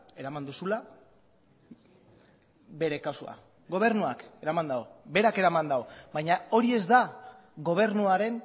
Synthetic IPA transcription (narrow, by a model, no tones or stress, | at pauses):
e̞ɾamand̪usula | be̞ɾe̞kawsua̰ | ɡo̞β̞e̞ɾnuake̞ɾamand̪aobe̞ɾake̞ɾamand̪aobajɲao̞ɾie̞zd̪a | ɣo̞β̞e̞ɾnuaɾe̞n